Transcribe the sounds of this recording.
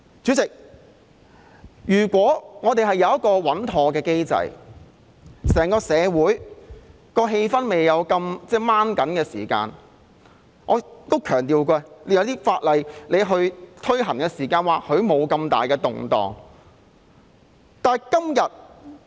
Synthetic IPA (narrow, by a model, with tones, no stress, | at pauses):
t͡syː˨˥t͡sɪ˨k̚ | jyː˨˩kʷwɔː˨˥ŋɔː˨˧t̪e˨jɦɐ˨˩jɐ˨˧wjɐ˥t̚kːɔː˧wɐ˨˥nt̪ʰɔː˧kɛː˧ke˥jt͡sɐ̰˨˧j | sɛː˨˩ŋkɔː˧sɛː˨˧wuː˨˥j | kɔː˧ɦe˧jfɐ˥nme˨jːɐ˨˧wkɐ˧mt͡sɛː˥maː˥nkɐ˨˥nkɛː˧sḭː˨˩ka̰ː˧n | ŋɔː˨˧t̪o˥wkʰœː˨˩ŋt̪iː˨wkɛː˧le˨˧jwt̪iː˥faː˧t̚lɐ˨jle˨˧jɦɵ˧ɥt̪ʰɵ˥ɥɦɐ˨˩ŋkɛː˧siː˨˩kaː˧nwaː˨˩k̚hɵ˨˧ɥmo˨˧wkɐ˧mt̪a̰ː˨jkɛː˧t̪ʊ˨ŋt̪ɔ̰ː˨ŋ | t̪aː˨kɐ˥mjɐ˨t̚